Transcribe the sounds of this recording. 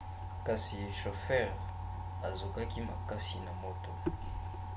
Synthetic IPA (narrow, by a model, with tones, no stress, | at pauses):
ka˨si˨ʃo˨fɛ˦˨ʁ | a˨zo˨ka˦ki˦ma˨ka˦si˨na˨mo˦to˨